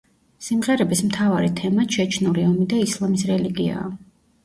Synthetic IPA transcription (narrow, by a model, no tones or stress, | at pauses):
simʁɛɾɛbismt̪ʰavaɾit̪ʰɛmaʃʰɛt͡ʃʰnuliɔmid̪aislˠamisɾɛliɡia̰ː